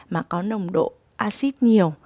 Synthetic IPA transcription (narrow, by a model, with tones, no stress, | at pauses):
maː˨˩kɔ˨˦nə˨˩wŋ͡mɗo̰˧˨ | ʔaː˧si˦˥t̚ɲi˨˩əw